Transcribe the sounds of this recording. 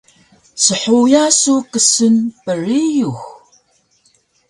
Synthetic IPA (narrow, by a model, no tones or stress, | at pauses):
səħujasukəsənpərijux